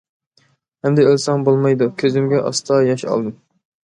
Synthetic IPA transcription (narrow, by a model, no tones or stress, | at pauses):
hɛmd̪ɛølsɑŋbolˠmɑjd̪ukʲʰøzɪmɡʲɛʔɑ̰st̪ʰɑjɑʃɑ̰lˠd̪ɨm